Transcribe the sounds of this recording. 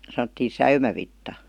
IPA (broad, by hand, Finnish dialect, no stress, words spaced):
sɑnə̆tːiː sæymæʋitːɑ